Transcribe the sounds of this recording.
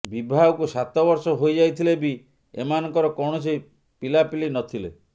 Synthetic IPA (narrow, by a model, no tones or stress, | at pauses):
bibʱawɔkusat̪ɔbɔɾsɔɦojd͡ʒajt̪ʰilebi | ḛmanɔŋkɔɾɔkɔwɳ̃ɔsʰi | pilapilinɔt̪ʰile